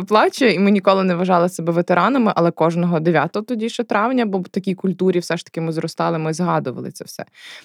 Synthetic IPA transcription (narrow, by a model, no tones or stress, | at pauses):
plˠɑt͡ʃʲɐimɪnʲikɔlˠɪnɛʋɐʒɑlˠɪsɛbɛʋet̪eɾɑnɐmɪʔɐlˠɛkɔʒnɔɦɔd̪eʋʲjat̪ɔɦɔt̪ɔdʲiʃɛt̪ɾɑʋnʲɐbɔt̪ɐkʲijkʊlʲt̪uɾʲiwsɛʃt̪ɐ̥kʲɪmɪzrɔst̪ɑlˠɪmɪzɦɑd̪ʊʋɐ̰lˠɪ̰t͡sʲɛ̰wsɛ̰